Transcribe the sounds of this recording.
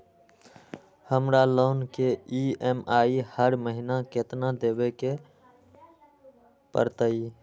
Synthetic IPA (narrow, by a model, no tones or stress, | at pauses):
həmɾalonkeiemaihəɾməɦinaket̪nad̪ebeke | pə̰ɾt̪əi